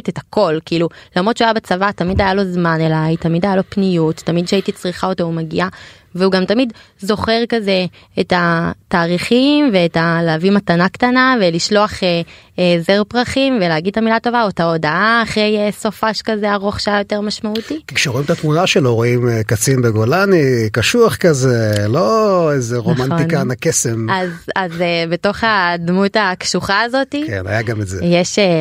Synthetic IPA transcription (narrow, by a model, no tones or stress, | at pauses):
tetako̞lkiilulamʁott͡ʃuajabet͡savatamidajalo̞zmanelajtamidajalo̞pnijuttːamidʃeaitit͡sʁiχao̞toumeɡḭʔa | veuɡamtamid | zo̞χe̞ʁkaze̞ | etataːʁiχimve̞ːtalaːvimatanaktanave̞liʃlo̞aχe | ezeʁpʁaχimveleaɡid̪̚tamilato̞vaotao̞daʔaːχʁe̞jeso̞faʃkazeaʁo̞χʃaajo̞te̞ʁmaʃmautikikʃeʁo̞imt̪at̪munaʃelo̞ʁoimkat͡sinbeɡo̞lanikaʃuaχkazelo̞ezeʁomantinkanakesemazazebeto̞χadmutakʃuχaːzo̞tikḛna̰jaɡametzejeʃe